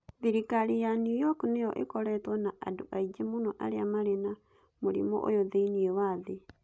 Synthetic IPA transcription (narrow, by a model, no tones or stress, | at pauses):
ðiɾikaɾijanjujɔknejɔʔḛkɔɾɛtwɔnaʔa̰doʔaid͡ʒemonɔʔa̰ɾeamaɾena | moɾḭmɔ̰ʔo̰joðeiniɛwaðe